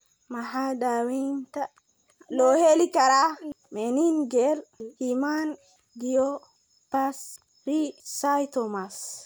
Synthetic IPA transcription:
maɦadawinta | lɔhelikaɾa | meninɡɛlhiman | ɡijɔ | pas | ɾisajtɔmas

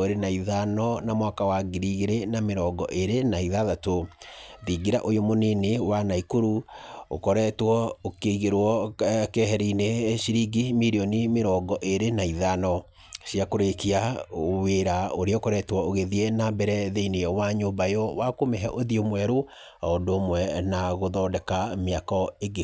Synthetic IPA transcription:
oɾenaiðanɔnamwakawaɡiɾiɣeɾenameɾɔːɡɔʔeɾenaiðaðatoðiɡiɾaʔojomonenewanaikoɾuokɔɾɛtwɔokeiɣeɾwɔkɛɦɛɾineʃiɾiɡimiɾiɔnimeɾɔːɡɔʔeɾenaiðanɔ | ɕjakoɾekiaweɾaoɾeokɔɾɛtwɔoɣeðienambɛɾɛðeinewaɲoːmbajɔwakomɛɦɛʔoðiomwɛɾo | ɔndoːmwɛnaɣoðɔːdɛkameakɔeɡe

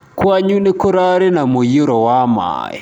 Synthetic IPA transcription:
kwaɲunɪkʊɾaɾinamujiɾɔwama̰ːjɛ̰

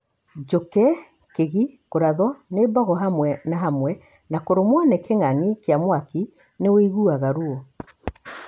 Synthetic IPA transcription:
d͡ʒokɛ | keɣikoɾaðɔnebɔɣɔɦamwɛnaɦamwɛ | nakoɾomwanɛkeŋaŋikeamwaki | neweiɣuaɣaɾuo

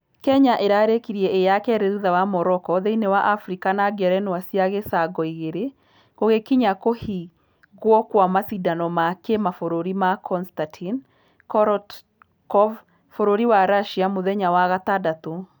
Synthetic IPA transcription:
kɛɲaʔeɾaɾekiɾiɛejakɛɾeɾuðawamɔɾɔkɔðeinewaʔafɾikanaɡɛɾɛnwasiaɣesaɡɔiɣeɾe | ɣoɣekiɲakohi | ɣwɔkwamasidanɔmakemafoɾoɾimakʰɔnstatʰin | kɔɾɔt | kɔv | foɾoɾiwaɾaʃiamoðɛɲawaɣatadato

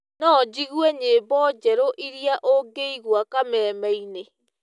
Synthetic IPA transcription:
nɔd͡ʒiɣwɛɲebɔd͡ʒɛɾoʔiɾjaʔoɡeiɣwakamɛːmɛine

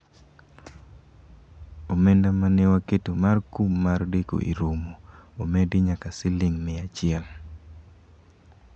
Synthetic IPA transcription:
omendamanewaketomarkumːardeko̰ʔḭɾomoomedɪɲakasɪlɪŋmɛat͡ʃɪɛl

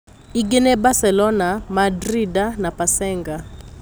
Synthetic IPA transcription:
iɡɛnɛbasɛlɔnamadridanapʼasɛːŋɡa

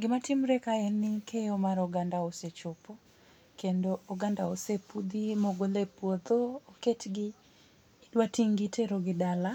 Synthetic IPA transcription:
ɡɪmatɪmɾɛkaɛnɪkʰejomaɾɔɡandaoset͡ʃopo | kendoːɡandaosepud̪imoɡolepwod̪oːketɡɪ | dwatiŋɡitʰeɾoɡɪdala

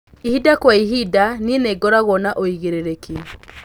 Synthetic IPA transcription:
ihidakwaiɦidanineɡɔɾaɣwɔnaʔoiɣeɾeɾeke

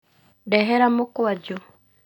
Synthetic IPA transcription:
dɛɦɛɾamokwad͡ʒo

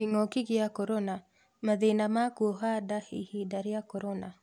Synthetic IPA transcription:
iŋɔkɪɡɪjakoɾona | mad̪enamakwoɦadahihidaɾɪakoɾona

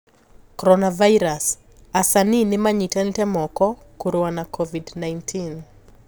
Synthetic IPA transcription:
kɔɾɔnavajɾas | asaninɪmaɲitɛntɛmɔkɔ | kuɾowanakʰɔvidnajntʰin

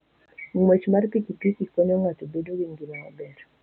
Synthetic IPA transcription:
ŋwet͡ʃmarpikipikikɔɲɔŋwatobedowiŋɡinawabɛɾ

